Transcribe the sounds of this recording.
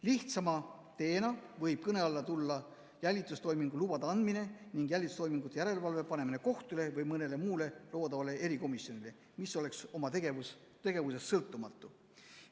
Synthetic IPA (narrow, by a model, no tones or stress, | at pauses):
liht̪sɑmɑ | t̪e̞ːnɑvɤjb̥̚kɤne̞ɑlːɑt̪ulːɑ | jælʲːit̪ˑust̪o̞jmiŋɡulub̥ɑd̪ɑɑnd̪mine̞niŋɡ̥jælʲit̪u̥st̪o̞jmiŋɡ̥ut̪ːˑejæɾe̞lvɑlve̞pɑne̞mineko̞ht̪ule̞vɤjmɤne̞le̞muːle̞lo̞ːd̪ɑvɑle̞eɾiko̞misjo̞nile̞ | misːo̞le̞kso̞mɑt̪eɡevus | t̪e̞ɡ̥e̞vuse̞sːɤlt̪ːˑumɑt̪ːˑu